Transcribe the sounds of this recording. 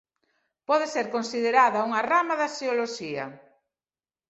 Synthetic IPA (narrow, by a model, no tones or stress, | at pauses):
pɔðeseɾkonsiðeɾaðɐuŋɐramaðɐsioloʃiɐ̰